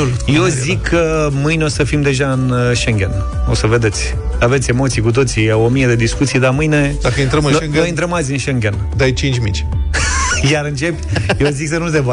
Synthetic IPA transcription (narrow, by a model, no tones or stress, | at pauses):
jezikʰːəmɨjneo̞səfimd̪e̞ʒaɨnʃe̞ŋɡʲe̞n | osəve̞d̪e̞t̪sʲ | avet̪sʲe̞mo̞t̪sijkut̪̬o̞t̪siomije̞d̪e̞d̪iskut̪sijd̪amɨjne̞d̪akəint̪ɾəmɨnŋnojɨnt̪ɾəmazʲɨnʃe̞ŋɡʲe̞nd̪ajt͡ʃint͡ʃʲmit͡ʃʲ | jaɾɨnt͡ʃe̞pʲjeoziksənus̬eva